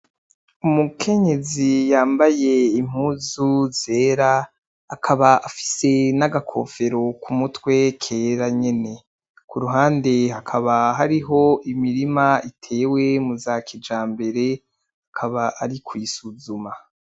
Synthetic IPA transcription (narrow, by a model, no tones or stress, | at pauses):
umukʰe̞ɲe̞zijaːmbaje̞im̥huːzuze̞ːɾaː | kʰaβaafi̥se̞naɡakʰo̞̰fe̞ɾo̞kʰumutwe̞kʰe̞ɾaɲe̞ne̞ | kuɾuɦaːnde̞hakʰaβaɦaɾiɦo̞imiɾimaitʰe̞ːwe̞muzaːkʰid͡ʒaːmbe̞ɾe̞ | akʰaβaʔːɾikʰwisuzuma